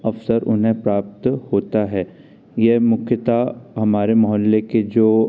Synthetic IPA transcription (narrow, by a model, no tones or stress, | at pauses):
ɐfsəɾʊ̰nɦẽpɾaːp̚t̪hoːt̪aɦɛː | jɛɦmʊkʰjət̪aɦɐmaːɾemɔɦɔlːeked͡ʒoː